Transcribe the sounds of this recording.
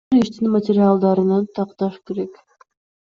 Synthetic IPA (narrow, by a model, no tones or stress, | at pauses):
ɾiʃt̪inmətʲɪɾʲɪalˠd̪ɑɾɯnɑnt̪ʰɑqt̪ɑʃke̞ɾe̞k